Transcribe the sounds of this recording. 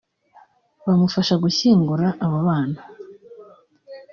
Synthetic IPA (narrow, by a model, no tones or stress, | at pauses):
βamufaʃaɡuɕiːŋɡuɾaʔːβaβaːna